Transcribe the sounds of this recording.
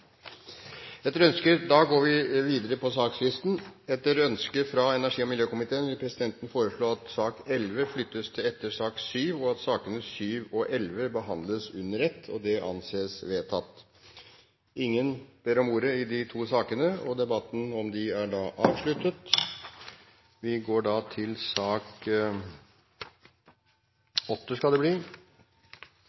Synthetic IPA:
ɛt̪ːəɾœnskəd̪ɑɡoːɾʋɪʋiːd̪əɾəpʰɔsɑːkslɪst̪n̩ɛt̪əɾœnskəfɾɑɛnæʂiːɔmɪljøːkʊmɪt̪ʰeːənʋɪlpʰɾɛsɪd̪ɛnt̪ən̩foːɾəsɭoːɑt̪sɑːkɛlʋəflʏt̪ːəst̪ʰɪlɛt̪ːəʂɑːksyːʋɔɑt̪sɑːkənəsyːʋɔʔɛlʋəbəɦɑnd̪ləsʉnːəɾɛt̪ʰːɔ̰d̪ɛʔɑ̰nseːsʋeːt̪ʰɑt̪ː | ʔɪŋːənb̥eːɾɔmuːɾəɪd̪ɪt̪ʰuːsɑːkənəɔd̪ɛbɑt̪ːn̩ɔmd̪ɪæɖɑːʔɑːʋʂɭʉt̪ːət̪ | ʋɪɡoːɖɑt̪ʰɪlsɑːk | ɔt̪ːəskɑld̪ɛbliː

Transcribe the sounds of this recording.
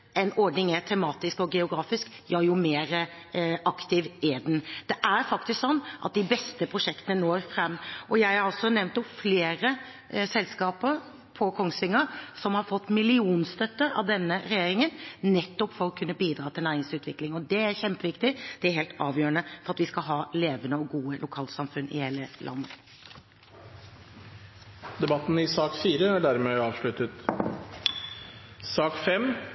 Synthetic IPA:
ʔɛnɔɾɖnɪŋæt̪ʰɛmɑːt̪ɪskɔɡɛʊɡɾɑːfɪsk | jɑːjʊmeːɾ | ʔɑkt̪ɪʋæd̪ɛnd̪̥ɛʔæɾfɑkt̪ɪsksɔnːʔɑt̪̚d̪ɪbɛst̪əpʰɾʊʂɛkt̪ənənoːɾfɾɛmːʔɔjæɪhɑɾɑsɔnɛʋnt̪ʊfleːɾə | sɛlskɑːpəɾ | pʰɔkʰɔŋsʋɪŋːəɾsɔmhɑɾfɔt̪ːmɪlɪuːnst̪œt̪ːəɾɑ̰ʋd̪ɛnːəɾɛjeːɾɪŋənnɛt̪ːɔpfɔɾɔkʰʉnːəbiːd̪ɾɑːt̪ʰɪlnæːɾɪŋsʉːt̪ʋɪklɪŋɔd̪ɛæɾçɛmpəʋɪkt̪ɪd̪̥ɛæɾɦeːlt̪ɑːʋjøːənəfɔɾɑt̪ʋɪskɑɦɑːleːʋənəɔɡuːəlʔʊkʰɑːlt̪sɑmfʉnːɪ̰heːləlʔɑ̰nːə | d̪ɛbɑt̪n̩ɪsɑːkfiːɾəæɖæɾmeːɑːʋʂɭʉt̪ət̪ | sɑːkfɛm

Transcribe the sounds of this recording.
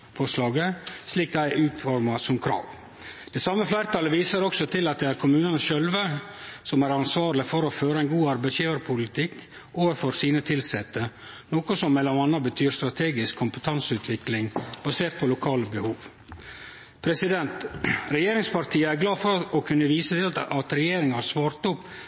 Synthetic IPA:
fɔʂlɑːɡəsliːk̚d̪æɪʔʉːt̪fɔɾmɑsɔmkʰɾɑ̰ːʋ | d̪̥ɛsɑmːəflæɪɾət̪ʰɑləʋiːsəɾɔksɔt̪ʰɪlɑt̪̚d̪ɛæɾkʰʊmʉːnənəʃœlʋəsɔmæɾɑnsʋɑːɾlɪfɔɾɔføːɾəæɪnɡuːɑɾbæɪsjiːʋəɾpʰʊlɪt̪ʰɪkː | oːʋəɾfɔɾsiːnət̪ʰɪlsɛt̪ːə | noːkʊsɔmːɛlːɔɑnːɑbət̪ʰyːɾst̪ɾɑt̪ʰeːɡɪskʰːʊmpət̪ʰɑnsʉːt̪ʰʋɪklɪŋb̥ɑseːɾt̪̚pʰɔlʊkʰɑːləbəhuːʋ | pʰɾɛsɪd̪ɛnt̪ɾɛjeːɾɪŋspɑɾt̪ʰiːəæɾɡlɑːfɔɾɔkʰʉnːəʋiːsət̪ʰɪlɑt̪ɾɛjeːɾɪŋɑsʋɑːɾt̪ʊpː

